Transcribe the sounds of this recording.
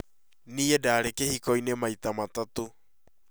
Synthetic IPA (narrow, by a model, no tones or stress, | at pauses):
niːɛdaːɾekehikɔinemait̪amatato